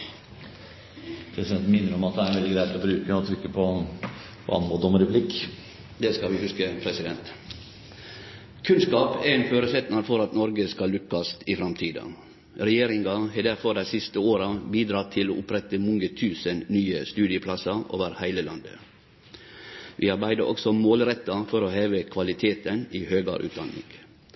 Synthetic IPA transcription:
pʰɾɛsɪd̪ɛnt̪n̩mɪnːəɾɔmɑt̪d̪ɛæɾʋɛld̪ɪɡɾæɪt̪ɔbɾʉːkəɔt̪ʰɾʏkːəpʰɔ | pʰɔ̰ɑ̰nɔd̪ɔməɾɛpʰlɪkː | d̪ɛskɑlʋɪhʉskəpʰɾɛsɪd̪ɛnt̪ | kʰʉnskɑːpæɛnføːɾəsɛt̪nɑɾfɔɾɑt̪nɔɾɡəskɑlʉkːɑst̪ɪfɾɑmt̪ʰiːd̪ɑ̰ | ɾɛjeːɾɪŋɡɑheːd̪æɾfɔɾɖ̪æɪsɪst̪əoːɾɑbiːd̪ɾɑːt̪ʰːɪlo̰ːʔʊpɾɛt̪əmɔŋət̪ʰʉːsənnyːəst̪ʉːd̪ɪəpʰlɑsɑo̰ːʋəɾhæɪləlɑnd̪ə̰ | ʋʔɪːɑɾbæɪd̪əɾʔɔ̰ksɔmoːlɾɛt̪ːɑfɔɾoːheːʋəkʰʋɑlɪt̪ʰeːt̪əniːhøːɡɑ̰ɾʔʉ̰ːt̪d̪ɑ̰nɪ̰ŋɡ

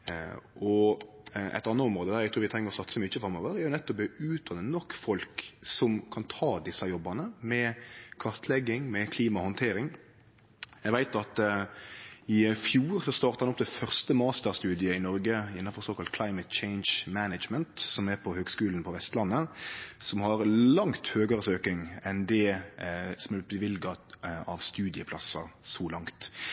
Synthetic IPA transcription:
ʔɔ | ʔɛ̰t̪ːɑnːəɔmɾoːd̪əd̪æɾjæɡt̪ʰʉːɾʋɪt̪ʰɾɛŋːəɾɔsɑt̪ːsəmyːt͡ʃəfɾɑmːɔːʋəɾjæɾjʊnɛt̪ːɔp̚øʉːt̪̚d̪ɑnːənɔkːfɔlksɔmkʰɑnt̪ʰɑːd̪ɪsːɑjɔbːɑnəmɛkʰɑʁt̪ʰlɛɡːɪŋmɛkʰliːmɑhɔnt̪ʰeːɾɪŋ | jæɪɡʋæɪt̪ɑt̪ | ɪfjuːɾsɔst̪ɑːɾt̪ɑʁɑnɔp̚ːt̪ɛfœʁst̪əmɑːst̪əɾst̪ʉːd̪ɪəɪnɔɾɡəɪnːɑnfɔʁsoːkʰɑlt̪̚kʰlɑɪmət̪t͡ʃeɪnʃmænəd͡ʒmənt̪sɔmæɾpʰɔhøːɡskʉːln̩pʰɔʋɛst̪lɑnːəsɔmhɑɾlɑŋt̪høːɡəɾəsøːkɪŋɛnd̪ɛ | sɔmɛb̪əʋɪlɡɑɑʋst̪ʉːd̪ɪəpʰlɑsːɑ̰sɔlɑŋt̪

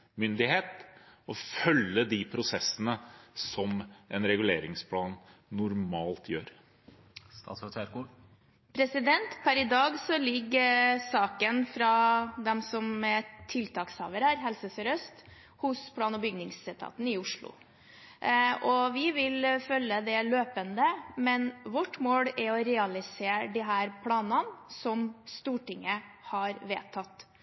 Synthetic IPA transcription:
mʏnd̪ɪheːt̪ɔfœlːəd̪ipʰɾʊsɛsːənəsɔmɛnɾɛɡʉleːɾɪŋspʰlɑːnːʊɾmɑːlt̪ʰjø̰ːɾ | st̪ɑs | pʰɾɛsɪd̪ɛnt̪pʰæɾɪd̪ɑːɡsɔlɪɡːəsɑːkənfɾɑd̪ɛmsɔmɛt̪ʰɪlt̪ʰɑːkshɑ̰ːʋəɾæɾɦɛlsəsɛɾœst̪ | hʊspʰlɑːnɔbʏɡnɪŋsɛt̪ʰɑ̰ːt̪n̩ɪʊʂɭʊ̰ | ʔɔʋɪʋɪlfœlːəd̪ɛløːpənd̪əmɛnʋɔʈːmoːlɪɾɔɾɛɑlɪseːɖiɦæːɾpʰlɑːnɑnsɔmst̪uːʈɪŋːə | hɑɾʋḛːt̪ʰɑt̪ː

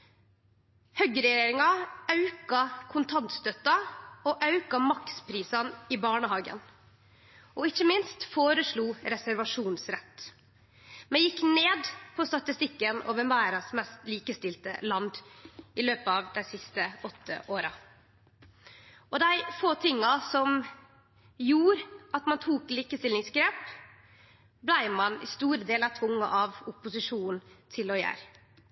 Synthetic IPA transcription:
hœɡəɾɛjeːɾɪŋɑɑʉkɑkʰʊnt̪ʰɑnt̪st̪œt̪ːɑɔʔɑʉkɑmɑkspʰɾiːsɑnɪbɑːɳəhɑːɡə̰n | ʔɔɪçəmɪnst̪foːɾəʂɭuːɾɛsæɾʋɑʂuːnsɾɛt̪ː | mɛjɪkːneːd̪pʰɔst̪ɑt̪ɪst̪ɪkːənʔo̰ːʋɛmæːɾɑsmɛst̪liːkəst̪ɪlt̪ə̰lɑnd̪ʔɪløːpəɑʋd̪æɪsɪst̪əɔt̪ʰːə̰ʔoːɾɑ | ɔd̪æɪfoːt̪ʰɪŋːɑsɔm | juːɾɑt̪mɑnt̪ʰuːkliːkəst̪ɪlɪŋsɡɾeːp | blæɪmɑnɪ̰st̪uːɾəd̪eːlɑt̪ʰʋʊŋːɑ̰ʔɑʋʊpʊsɪʂuːnn̩t̪ʰɪlɔjæ̰ːɾ

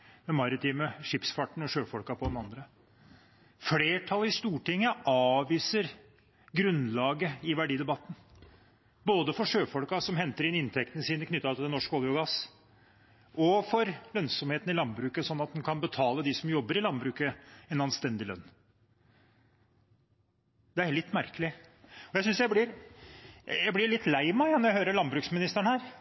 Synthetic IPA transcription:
mɛmɑɾɪt̪ʰiːməʂɪpsfɑʈɳ̩ɔʂøːfɔlkɑpʰɔd̪ɛnɑnd̪ɾə | fleːʈʰɑlɪst̪uːʈɪŋːəʔɑːʋiːsəɾ | ɡɾʉnlɑːɡəɪʋæɖiːd̪ɛbɑt̪ːn̩ | boːd̪əfɔʂøːfɔlkɑsɔmɦɛnt̪əɾɪnɪnt̪ʰɛk̚t̪ənəsiːnəkʰnʏt̪ːɑt̪ɪlɛnɔʂkoːljɔɡɑs | ʔɔfɔɾlœnsɔmheːt̪n̩ɪlɑnbɾʉːkəsɔnːɑt̪̚hɛnkʰɑnbət̪ʰɑːləd̪ɪsɔmjɔbːəɾɪlɑnbɾʉːkəɛnɑnst̪ɛnd̪ɪlœ̰nː | d̪ɛæɾɭɪt̪ːmæɾkəlɪɔjæɪsʏnsjæɪblɪɾ | jæɪblɪɾɭɪt̪ːlæɪmɛjɑnɔɾjæhøːɾəɭɑnbɾʉːksmɪnɪst̪æɳhæːɾ

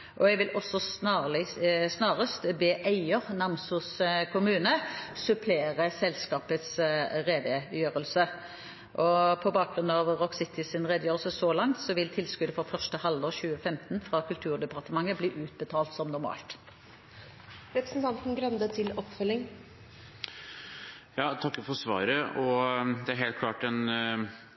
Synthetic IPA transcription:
ʔɔɛɡʋɪlʔɔsːɔsnɑlsnɑːʁəst̪beːʔæɪəʁnɑmsʊskʰʊmʉːnəsʉpʰleːʁəsɛlskɑːpət̪sʁeːʋejøːʁəlsə | ʔɔpʰɔbɑːk̚ɡʁʉnːɑʋʁɔksɪt̪ɪsɪnʁɛd̪əjøːʁəlsəsɔlɑŋt̪sɔʋɪlt̪ʰɪlskʉd̪əfɔʁfœʁʂʈəhɑld̪ɔːʁçʉːəfɛmt̪nfʁɑkʰʉlt̪ʰʉːʁd̪ɛpɑʁt̪əmɑŋːəbliːʔʉːt̪̚bət̪ʰɑːlt̪sɔmnʊɾmɑ̰ːlt̪ | ɾɛpɾəsn̩t̪ʰɑnt̪n̩ɡɾœnd̪ət̪ʰɪlɔpfœlːɪŋ | jɑːt̪ʰɑkːəfɔɾsʋɑ̰ːɾəɔd̪ɛæɾɦeːlt̪kʰlɑːʈɛn

